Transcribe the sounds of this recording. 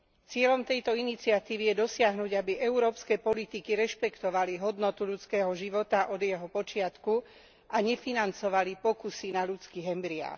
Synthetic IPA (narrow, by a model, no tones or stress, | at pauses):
t͡sɪɛʎɔmt̪ɛjt̪ɔinit͡siat̪iːʋijɛd̪ɔsɪaɦnuɟabiʔɛuɾɔːpskɛpɔlit̪ikiɾɛʃpɛkt̪ɔʋaliɦɔd̪nɔt̪uʎut͡skɛːɦɔʒiʋɔt̪aʔɔd̪jɛɦɔpɔt͡ʃɪat̪ku | ʔaɲɛfinant͡sɔʋalipɔkusinaʎut͡skiɦɛmbɾia̰ː